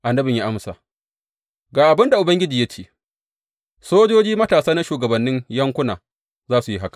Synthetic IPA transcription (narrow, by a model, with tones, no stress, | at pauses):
ʔa˨nːɐ˦bɪ˨ɲja˦ʔa˦msa̰ː˨ʔ | ɡaː˨ʔa˨bɪ˦nda˨ʔʊ˨bɐ˦ŋɡʲɪ˦d͡ʒiː˨jɐ˦t͡ʃeː˦˨ | soː˦d͡ʒoː˦d͡ʒiː˦mɐ˦taː˨saː˦na˦ʃuː˨ɡɐ˨bɐ˨nːɪ˦ɲjɐ˦ŋkʷʊ˦naː˨ | zaː˦su˨ji˦ɦa˦kḁ˨